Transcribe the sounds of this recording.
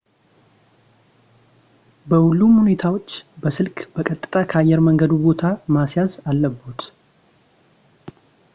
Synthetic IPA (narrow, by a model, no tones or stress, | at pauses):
bəhulːumhune̞t̪ʰawo̞t͡ʃːbəsɨlkbəkʼət̪ʼːɨ̥t̪ʼakʰəajːɛɾməŋɡəd̪ubo̞t̪ʰamasjazalːəbːut̪